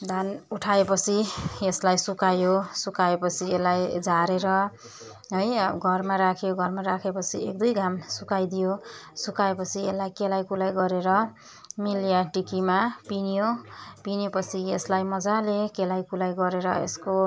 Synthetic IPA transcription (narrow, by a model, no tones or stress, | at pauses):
d̪ʱanuʈʰaepʌt͡sʰieslajsukajosukaepʌt͡sʰielajd͡zaɾeɾʌ | ɦojɡʱʌrmaɾakʰjoɡʱʌrmaɾakʰepʌt͡sʰiek̚d̪ujɡamsukajd̪ijosukaepʌt͡sʰielːajkelajkulajɡʌɾeɾʌ | miljaʈikimapinijopinepʌt͡sʰieslajmʌd͡zalekelajkulajɡʌɾeɾʌḛsko